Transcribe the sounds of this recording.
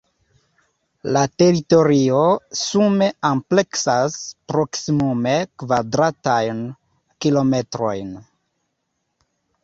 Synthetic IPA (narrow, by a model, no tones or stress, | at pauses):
late̞ɾito̞ɾio̞sume̞ample̞ksaspɾo̞ksimume̞kvadɾatajn | kilo̞me̞tɾo̞̰jn